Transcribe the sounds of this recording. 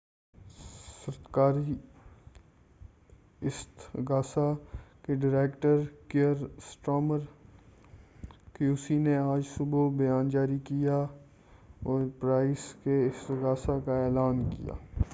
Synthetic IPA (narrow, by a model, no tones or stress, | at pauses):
səɾt̪kaːɾi | ɪst̪ɡaːsakeɖɪɾeːkʈəɾkeəɾsʈoːməɾ | kiuʊːsineaːd͡ʒsʊbobɐjaːnd͡ʒaːɾikija | ɔːɾpɾaːɪskeɪst̪ɡaːsakaɛːlaːnkḭja̰ː